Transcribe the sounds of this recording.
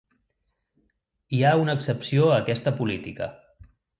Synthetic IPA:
iaunəːksəpsioəkɛst̪əpulit̪ikə̰

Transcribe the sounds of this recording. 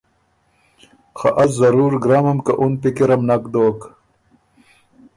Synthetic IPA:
xa̰ʔɐs̬zɐɾuːɾɡɾaːmɐmkaʔunpikiɾɐmnɐkd̪oːk

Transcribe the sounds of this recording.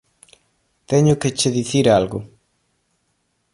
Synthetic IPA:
t̪ɛɲʊket͡ʃeðiθiɾalɣʊ

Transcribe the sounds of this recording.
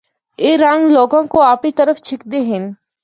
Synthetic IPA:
eːɾãːŋɡloːɡãkoaːpit̪əɾəft͡ʃʰɪkd̪eɦɪn

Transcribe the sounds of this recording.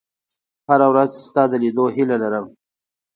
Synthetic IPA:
haɾawɾazst̪ɑd̪əlid̪oɦilalaɾəm

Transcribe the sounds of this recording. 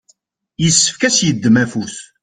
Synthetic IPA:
jəsːə̥fkæsjəd̪ːəmæfuθ

